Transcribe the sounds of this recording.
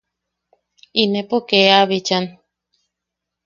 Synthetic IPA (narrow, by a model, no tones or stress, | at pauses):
inepokeaβit͡ʃan